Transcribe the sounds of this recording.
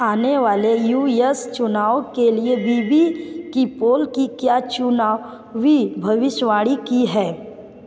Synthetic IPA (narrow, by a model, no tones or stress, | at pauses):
aːneʋaːlejuːjəst͡ʃʊnaːʋokeliebʱiːbʱikipoːlkikjaːt͡ʃʊnaːʋ | ʋibʱɐʋɪʃʋaːɽikiɦɛː